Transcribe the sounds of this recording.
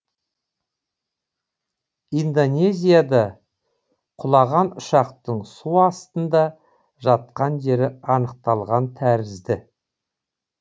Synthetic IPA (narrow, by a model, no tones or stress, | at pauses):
ind̪o̞nʲe̞zʲijad̪ɑ | qʰʊlˠɑʁɑnʊʃɑqt̪əɴsuɑst̪ənd̪ɑ | ʒɑt̪̚qɑnʒe̞ɾɪɑnəq̚t̪ɑlˠʁɑnt̪ʰæɾɪzd̪ɪ